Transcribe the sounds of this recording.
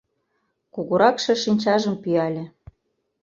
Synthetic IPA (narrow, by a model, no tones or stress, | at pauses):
kuɣuɾɑkʃɤ̆ʃinʲt͡ɕɑʒə̆mpyɑlʲĕ